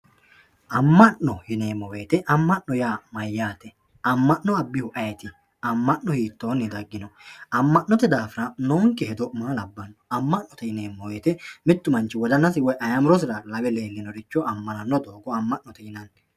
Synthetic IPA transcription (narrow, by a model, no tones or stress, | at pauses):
ʔɐmːɐʔːɔhɪne̞ːmːɔweːt̪ɛʔɐmːɐʔnɔjaːmɐjːaːt̪ɛ | ɐmːɐʔːɔɐbːɪhʊʔɐjɛt̪ɪ | ɐmːɐʔːɔhiːt̪ːoːnːɪd̪ɐɡːɪnɔɐmːɐʔnːɔt̪ɛd̪aːfɪɾɐnoːŋkːɛhɛd̪ɔmaːlɐbːɐnːɔɐmːɐnːɔt̪ɛhɪneːmːɔweːt̪ɛmɪt̪ːʊmɐnt͡ʃːɪwɔd̪ɐnːɐsɪwɔjʔɐjɐmʊɾɔs̬ɪɾalɐbɛle̞ːlːɪnɔɾɪt͡ʃːɔɐmːɐnɐnːɔd̪o̞ːɡɔɐmːɐʔnɔt̪ɛhɪnɐn